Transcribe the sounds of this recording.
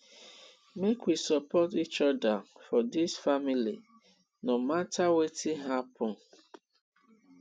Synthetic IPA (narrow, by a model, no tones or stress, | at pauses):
mekwisɔpɔtit͡ʃɔdafɔdisfamilḭ | nomatʰawetʰiɦapʰɔ̃n